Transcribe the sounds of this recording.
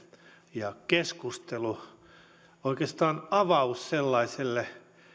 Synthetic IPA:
jɑkeskust̪elu | oikest̪ɑːnɑʋɑusselːɑiselːe

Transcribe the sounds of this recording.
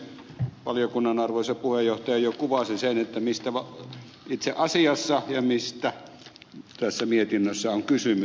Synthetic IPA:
ʋɑlijokunːɑnɑrʋoisɑpuhejjoht̪ɑjɑjokuʋɑsisenet̪ːæmist̪æʋɑ | it̪seʔɑsiɑsːɑjɑmist̪æ | t̪æsːæmiet̪inːøsːæoŋkysymy

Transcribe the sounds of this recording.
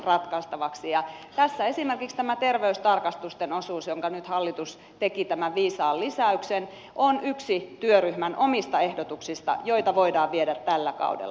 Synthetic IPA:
rɑt̪kɑst̪ɑʋɑksijɑt̪æsːæesimerkikst̪æmæt̪erʋeyst̪ɑrkɑst̪ust̪enosuːsjoŋkɑnyt̪hɑlːit̪us | t̪ekit̪æmæʋʋiːsɑːllisæyksen | ʔonyksit̪yøryhmænʔomist̪ɑehdot̪uksist̪ɑ̰joit̪ɑʋoidɑːʋʋieɾæt̪tælːækɑ̰udḛlː

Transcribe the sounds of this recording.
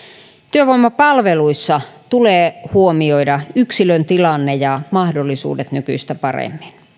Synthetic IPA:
t̪yøʋoimːɑpɑlʋeluisːɑt̪uleːhuomioidɑyksilønt̪ilɑnːejɑmɑhdolːisṵːdet̪nykyist̪æpɑrḛmːin

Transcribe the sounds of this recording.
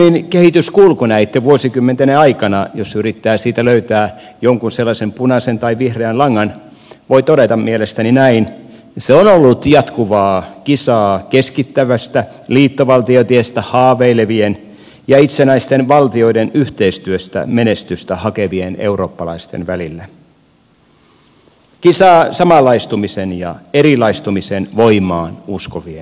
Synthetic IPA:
inkehit̪yskulkunæit̪ːeʋuosikymːent̪eneɑikɑnɑjosyrit̪ːæːsiːt̪æløyt̪æːjoŋkunselːɑsempunɑsent̪ɑiʋihreɑnlɑŋːɑn | ʋoit̪odet̪ɑmmielest̪æninæin | seonolːut̪jɑt̪kuʋɑːkisɑːkeskit̪ːæʋæst̪æ | liːt̪ːoʋɑlt̪iot̪iest̪æhɑːʋeileʋien | jɑit̪senæist̪e̞nʋɑlt̪io̞idenyht̪e̞ist̪yøst̪æ̰me̞ne̞st̪yst̪æhɑkeʋiene̞̰wɾo̞ːpːɑlɑist̪ḛnʋælilːæ | kisɑːsɑmɑlɑjst̪umisenjɑ̰eɾilɑjst̪umisenʋo̞jmˑɑːnuskoʋien

